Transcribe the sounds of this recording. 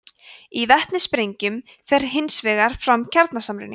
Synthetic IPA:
ivɛht̪nɪspɾejɲcʏm | fɛr̥ɦɪnsvɛːɣaɾ̥fɾamcʰaɾt̪nasamɾʏ̰nɪ

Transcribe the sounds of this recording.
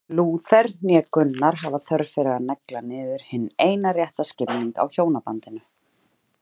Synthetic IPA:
luːθɛɾnjɛkʏnːaɾ̥ɦavaθœɾfɪɾɪanɛklanɪːðɪɾ̥hɪneːjnarjɛht̪ascɪpniŋka̰wçoːwnapant̪ɪnʏ

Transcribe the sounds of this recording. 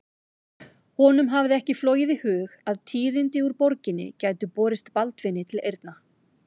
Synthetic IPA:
hɔnʏmɦavðɪɛhcɪflɔːwjɪðihʏːɣaðt̪ʰiːðɪnt̪ɪuɾpɔɾcɪnːɪ̰caːjt̪ʏpɔːɾɪst̪palt̪vɪnːɪt̪ʰɪlejɾt̪na

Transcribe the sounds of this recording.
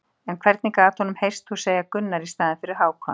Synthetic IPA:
ɛnkʰv̥ɛɾt̪niŋkaaːt̪hɔnʏmhejrst̪huseːjakʏnːaɾist̪aːðɪnfɪɾɪɾ̥ɦaːwkʰɔ̰n

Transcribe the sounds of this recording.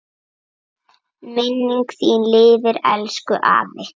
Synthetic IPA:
mɪnːiŋksiːnlɪːðɪɾɛ̰lskʏʔa̰ːvɪ

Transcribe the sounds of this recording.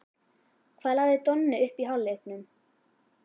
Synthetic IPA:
kʰvaːðlaːɣðɪt̪ɔnːɪʏhpiɦawlːehknʏm

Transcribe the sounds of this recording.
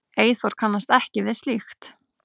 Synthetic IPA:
eːjθɔɾ̥kʰanːast̪ɛhcɪvɪðst̪lixt̪

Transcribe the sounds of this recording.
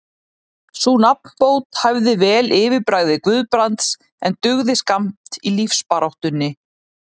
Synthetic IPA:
sunap̚n̥poːwt̪havðɪvɛːlʔɪːvɪɾpɾaːɣðɪkvʏðpɾant̪s | ɛnt̪ʏɣðɪskam̥t̪ilifspaɾawht̪ʏnːɪ

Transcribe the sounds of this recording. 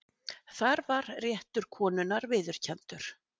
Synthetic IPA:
θaɾvaɾrjɛht̪ʏɾ̥kʰɔːnʏnaɾvɪːðʏɾ̥cʰɛnt̪ʏɾ̥

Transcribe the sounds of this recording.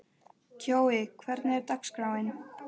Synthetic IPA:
cʰoːwɪkʰvɛɾt̪nɛɾt̪akskɾawɪn

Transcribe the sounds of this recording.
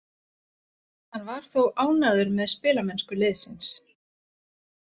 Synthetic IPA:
hanːvaɾ̥θowʔaːwnaðʏɾmɛðspɪːlamɛnskʏɾlɪːðsɪns

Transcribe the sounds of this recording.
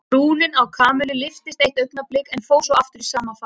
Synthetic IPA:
ɾuːlɪnawkʰaːmɛlɪlɪft̪ɪst̪ejht̪œɥpnaplɪkɛnfoːwsɔwaft̪ʏɾisaːmːafa

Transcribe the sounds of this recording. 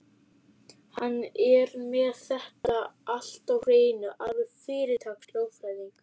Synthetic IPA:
hanːɛɾmɛðθɛht̪aʔal̥t̪awr̥eːjnʏʔaðʏfɪːɾɪt̪ʰaːksloːwfɾajðiŋk

